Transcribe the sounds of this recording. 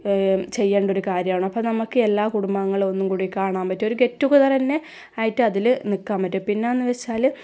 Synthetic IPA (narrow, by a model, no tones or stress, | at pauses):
t͡ɕe̞jːeːɳɖo̞ɾukaːɾjɐmaːɳɐpːɐnɐmukːɨelːaːkuɽumbaːŋːɐɭo̞nːumkuːɽikaːɳaːmpɐtːio̞ɾuɡe̞tːuɣuðɐrɐnːe̞ | aːjiʈːɨɐðilɨnikːaːmpɐtːupinːeenːɨʋet͡ɕːaːl